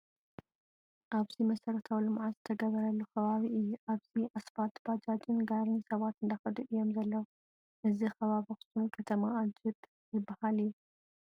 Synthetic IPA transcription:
ʔaβzimɐsɐɾɐt̪ʰawlɨmʕazɨt̪ʰɐɡɐβɐɾɐlːukʰɐβaβiɨjːuʔaβziʔasfat̪bad͡ʒad͡ʒɨnɡaɾnisɐβat̪ɨnd̪axɐd̪uʔɨjːo̞mzɐlːɐw | ʔɨzixɐβaβixɨ̥sumkʰɐt̪ʰɐmaːd͡ʒɪt̪ | zɨbːɐhalɨjːu

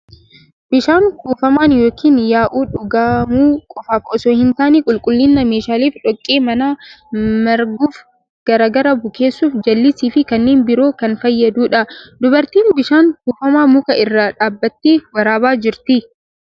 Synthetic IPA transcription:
bɪʃaːŋkuːfɐmaːnjo̞ːkʰiːnjaːʔuːᶑʊɡaːmuːkʼɔfaːfɔsɔːhɪnt̪aːnikʼʊlkʼʊlːɪnːɐmeːʃaːliːfᶑɔkʼːiːmɐnaːmɐɾɡuːf | ɡ̥ɐɾaːɡɐɾɐbʊkʰe̞ːsːuːfd͡ʒɐlːɪsiːfɪkɐnːeːnbɪɾo̞ːkɐnfɐjːɐd̪uːᶑɐd̪ʊbɐɾt̪iːnbɪʃaːŋkuːfɐmaːmʊkɐʔɪrːɐᶑaːbːɐt̪ːiːwɐɾaːbaːd͡ʒɪɾt̪ɪ

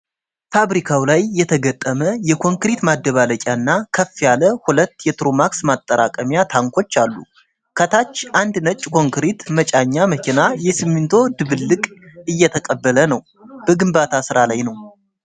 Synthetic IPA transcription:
faβɾikʰawlajːɛt̪ʰəɡət̪ʼːəməjɛkʰo̞ŋkɾit̪mad̪ːəβaləkʲʼaɨnːakʰəfːjaləhulət̪ːjɛt̪ɾomaksmat̪ʼːəɾa̰kʼəmjat̪ʰaŋkʰo̞t͡ʃːalːṵ | kʰət̪ʰat͡ʃːʔand̪nət͡ʃʼːkʰo̞ŋkɾit̪mət͡ʃʼaɲːaməkʰinajɛsɨmːɨnt̪ʰo̞d̪ɨβɨlːɨkʼɨjːɛt̪ʰəkʼəbːələnəw | b̥əɡɨmbat̪ʰasɨɾalajnəw

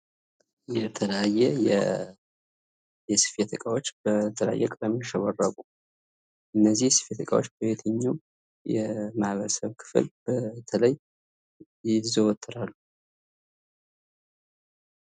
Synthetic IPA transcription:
jɛt̪ʰələajːɛjɛ | jɛsɨ̥fet̪ʰɨkʼawot͡ʃːbət̪ʰələja̰jːɛkʼd̪əmeʃɛβərːaɡʼu | ʔɨnːəzːihsɨ̥fet̪ʰɨkʼa̰wo̞̰t͡ʃːb̥əβet̪ʰəɲːum | jɛmahβəɾəsəβkʰɨ̥flbət̪ʰələj | ɪzəwɔt̪ʰːɨɾalːu

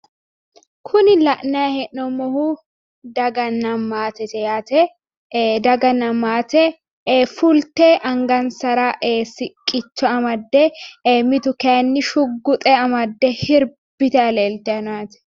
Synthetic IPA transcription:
kʰʊnɪlɐʔnɐjɐhɛʔɔmɔhuː | d̪ɐɡɐnːɐmaːt̪ɛt̪ɛjaːt̪ɛ | d̪ɐɡɐnːɐmːaːt̪ɛ | fʊlt̪ɛʔɐŋɡɐnsɐɾaʔesɪkʼɪt͡ʃːɔɐmɐd̪ːɛmɪt̪ʊkɛːnːɪʃʊɡːʊt̪ʼɛɐmɐd̪ːɛhɪɾ | bɪt̪ɛɐleːlt̪ɛɐnaːt̪ɛ̥

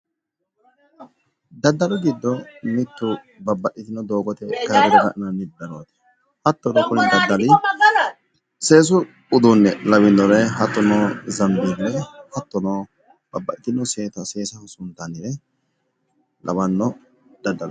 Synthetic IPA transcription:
d̪ɐd̪ːɐlɔɡɪd̪ːɔmɪt̪ːʊ | bɐbːɐʔɪt̪ɪnːɔd̪oːɡɔt̪ɛkːɐɾɡɛd̪ɛɡɐʔɪnɐnːɪd̪ɐɾɔwɐt̪ɪ̥ | hɐt̪ːɔnɔkʊnɛnd̪ɐd̪ːɐlɪ | se̞ːs̬ʊ | ʊd̪unːɛlɐβɪndɔɾɛɦɐt̪ːɔnɔzɐnd̪inːɛhɐt̪ːɔnoː | b̥ɐbːɐʔɪt̪ɪnɔseːt̪ɐseːsɐhɔsʊnt̪ːanɪɾɛ | lʔɐ̰bɐnːɔ | d̪̥ɐd̪ːɐl

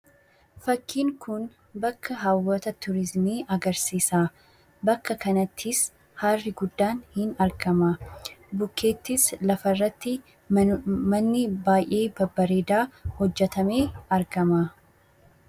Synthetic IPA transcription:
fɐkːiːŋkʊn | bɐkːɐɦawːɐt̪ɐt̪ʊɾɪzmiːɐɡɐɾsiːsaː | bɐkːɐkɐnɐt̪ʰːɪs | haːrːɪɡʊd̪ːaːnhɪnɐɾɡɐmabʊkːe̞ːt̪ːɪslɐfɐrːɐt̪ːɪ | mɐnːɪbaːjʔe̞ːbɐbːɐɾeːd̪aːhɔd͡ʒːɛt̪ɐme̞ːɐɾɡɐmaː

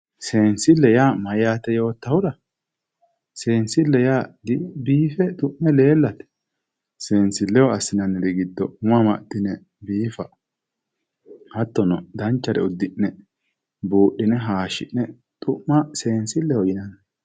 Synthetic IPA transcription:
se̞ːnsɪlːɛjaːmɐjaːt̪ɛjo̞ːt̪ːɐhʊɾɐ | se̞ːnsɪlːɛjaːd̪ɪbiːfɛt̪ʼʊʔːɛle̞ːlːɐt̪ɛ̥ | se̞ːnsɪlːɛwɔɐsːɪnɐnːɛd̪ɛɡɪd̪ːɔmʊɐmɐd̪ɪnɛ | biːfɐ | hɐt̪ːɔnɔd̪ɐnt͡ʃːɐɾɛ̰ʊd̪ːɪʔːɛ | buːʔːɪnɛɦaːʃɪ̰nnːɛ | t̪ʼʊʔːɐse̞ːnsɪlːɛhɔjɪnɐn

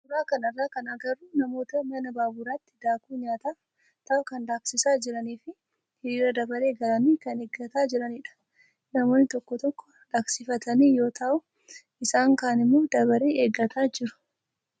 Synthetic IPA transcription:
bdʊɾaːkɐnɐrːaːkɐnɐɡɐrːunɐmo̞ːt̪ɐmɐnɐbaːbuɾaːt̪ːɪ̥d̪aːkuːɲaːt̪aː | t̪ɐːkɐnd̪aːksɪsaːd͡ʒɪɾɐniːfɪ | hɪɾiːɾɐd̪ɐbɐɾe̞ːɡɐlɐniːkɐneːɡːɐt̪aːd͡ʒɪɾɐnɪᶑɐ̥ | nɐmo̞ːnːɪt̪ɔkːɔt̪ɔkːɔ̥ | ᶑaːksɪfɐt̪ɐniːjo̞ːt̪ɐʔʊ | ɪsaːŋkaːnɪmːoːd̪ɐbɐɾeːeːɡːɐt̪ʰaːd͡ʒɪɾʊ̥

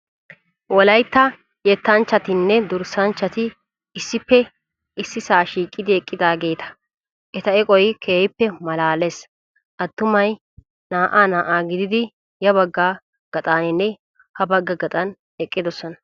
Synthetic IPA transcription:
wɔlɐjt̪ːɐ | jɛt̪ːɐnt͡ʃːɐt̪ɪnːɛd̪ʊɾsɐnt͡ʃːɐt̪ɪ | ɪsːɪpːɛ | ɪsːɪsaːʃiːkʼːɪd̪ɪɛkʼːɪd̪aːɡe̞ːt̪ɐ̥ | ʔɛt̪ɐɛkʼɔjkʰeːjɪpːɛmɐlaːlɛs | ʔɐt̪ːʊmɐj | naːʔaːnaːʔaːɡɪd̪ɪd̪ɪ | jɐbɐɡːaː | ɡ̥ɐt̪ʼaːnɪnːɛ | hɐbɐɡːɐɡɐt̪ʼɐn | ɛkʼːɪd̪ɔsːɔnɐ

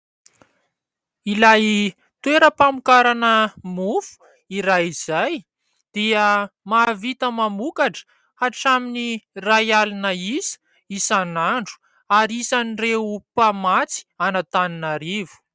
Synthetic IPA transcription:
ilaj | t̪weɾəpamukaɾanəmufu̥ | iɾajiz̥aj | d̪̥iəmaːvit̪əmamukaʈ͡ʂə̥ | aʈ͡ʂaminirajalinəisə̥ | isanaɳɖ͡ʐu̥ | aɾiisanireupamat͡si̥anat̪aninaɾivu̥

